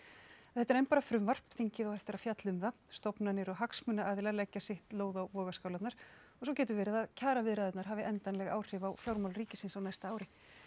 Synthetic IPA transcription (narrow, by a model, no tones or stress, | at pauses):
θɛt̪ːaɾejnpaːɾafɾʏmvar̥pθiɲcɪðɔɣɛft̪ɪɾaðfjat̪lʏmðast̪ɔpnanɪɾɔɣɦaksmʏnaʔaːðɪlalɛcːasɪht̪loːwðawvɔːɣaskaːwlat̪naɾ̥ | ɔɣsɔwcɛːt̪̬ʏvɛːɾɪðaðcʰaːɾavɪðɾaðɛt̪naɾ̥ɦaːvɪʔɛnt̪ajnlɛɣaːwr̥ɪːvawfjawɾmawlriːcɪsɪnsawnajst̪aaːwɾɪ